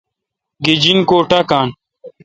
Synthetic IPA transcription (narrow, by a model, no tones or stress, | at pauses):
ɡid͡ʑinkoːʈakaːn